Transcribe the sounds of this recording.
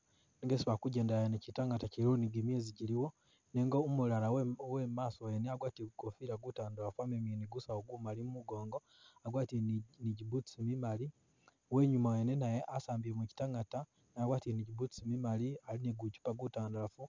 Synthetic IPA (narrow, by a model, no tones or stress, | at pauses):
neŋɡesiβakuɟeːndajanecitaŋɡataciɾoniɡimeːziɟiliwo | neŋɡoumulalawwemaːsoweneaɡwaːtiɡukofiɾaɡutaːndalafuameminiɡusaoɡumalimumuɡo̞ːŋɡo | aɡwaːtiniɟibusimimali | we̞ːɲumawenenajeʔasaːmbiemweci̥taŋata | najaɡwaːtiniɟibut͡ssimimalialineɡut͡ʃu̥paɡutaːndalafu